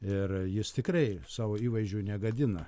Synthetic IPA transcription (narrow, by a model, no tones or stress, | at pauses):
ɪrjɪst̪ʲɪkrɐɪsɑːʋoːiːʋɐɪʒʲuːnʲɛɡɐd̪ʲɪnɐ